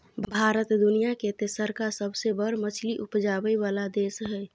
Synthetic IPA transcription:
bʱbʱaːɾət̪d̪ʊnijaket̪esəɾkasəbsebəɾmət͡ʃʰliʔʊpd͡ʒaːbəiʋaːlad̪eːsɦɛː

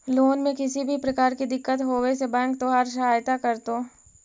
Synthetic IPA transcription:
loːnmẽkɪsibʱipɾɐkaːɾkid̪ɪkːət̪ɦoːwesebɛ̃ːŋk̚t̪oɦaːɾʃ̬ɐɦaːjt̪akɐɾt̪oː

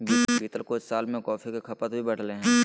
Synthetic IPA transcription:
bibʱiːt̪əlkoːɪssaːlmẽkɔːfʰikekʰɐpət̪bʱibɐɽ̤leɦɛ̃ː

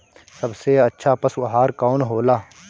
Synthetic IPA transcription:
səbseɐtːʃʰapəswɐɦaːɾkaːʊnɦoːlaː

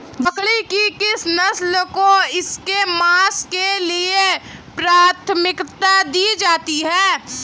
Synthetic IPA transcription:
ʋɐkɭikikɪsnɐslkoɪskemaːskeliepɾaːt̪ʰmɪkt̪ad̪iːd͡ʒaːt̪iɦɛː

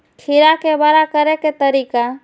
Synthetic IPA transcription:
kʰiɾakebəɾakəɾeket̪əɾika

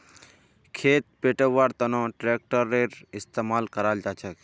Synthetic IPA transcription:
kʰeːt̪̚peːʈəʋʋaːɾt̪ənõʈɾeːk̚ʈəɾːeɾɪst̪eːmaːlkəɾaːld͡ʒaːt͡ʃʰək

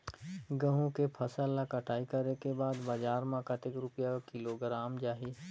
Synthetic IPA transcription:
ɡə̃ɦũkepʰɐsəlːakɐʈʰaːikɐɾekebaːd̪bad͡ʒaːɾmãkɐt̪ɪkɾʊpjakɪloɡɾaːmd͡ʒaːɦiː

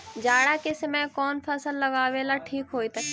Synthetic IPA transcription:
d͡ʒaːɽakesɐmɛːkɔːnpʰɐsəlːɐɡaːwelaʈʰiːkɦoːit̪ː

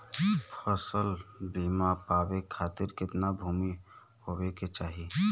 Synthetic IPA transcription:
pʰəsəlbiːmapaːbekʰaːt̪ɪɾkɪt̪nabʱuːmi | hobeket͡ʃaːɦi

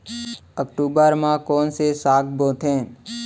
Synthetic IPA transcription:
əkʈuːbəɾmãkɔːnsesaːkbõːt̪ʰẽː

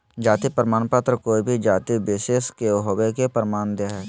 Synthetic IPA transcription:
d͡ʒaːt̪ipɾmaːnpaːt̪ɾəkoːibʱid͡ʒaːt̪ibɪʃeːskeoɦowekepəɾmaːnd̪eaɦɛː

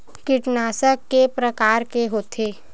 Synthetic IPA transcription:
kɪʈnaːsəkːepɾəkaːɾkeɦoːt̪ʰeː

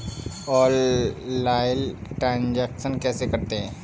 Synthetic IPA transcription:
ɔːɾː | aːjəlʈɾãːnd͡ʒɛːkʃənkɛːsekɐɾt̪eɦɛ̃ː

